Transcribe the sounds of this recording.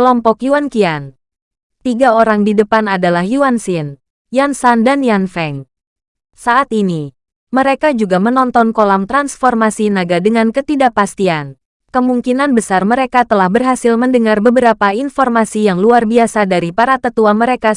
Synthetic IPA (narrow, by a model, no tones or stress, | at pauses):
kəlɔmpɔkjuankian | t̪iɡaoɾaŋdidəpanadalahjuansin | jansandanjanfɛŋ | saʔat̪ini | məɾekad͡ʒuɡamənɔnt̪ɔnkolamt̪ɾansfɔrmasinaɡadəŋankət̪idapast̪ian | kəmuŋkinanbəsarməɾekat̪əlahbərɦasilməndəŋarbəbəɾapainfɔrmasijaŋluarbiasadaɾipaɾat̪ət̪uaməɾeka